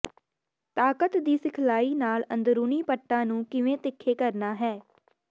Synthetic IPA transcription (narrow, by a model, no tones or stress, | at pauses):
t̪aːkət̪d̪iːsɪkʰlaːiːnaːlənd̪ɾuːniːpəʈːãːnũːkɪʋẽːt̪ɪkʰːeːkəɾnaːɦɛː